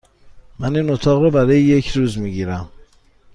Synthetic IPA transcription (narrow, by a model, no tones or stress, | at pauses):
mæniːnot̪ʰɒːɣɾɔbæɾɒːjeje̞cʰɾuːzmiːɟiːɾæm